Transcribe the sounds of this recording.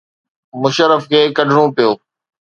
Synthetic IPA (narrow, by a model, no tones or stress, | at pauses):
mʊʃəɾəfkʰeːkɐɖʱɽõːpijoː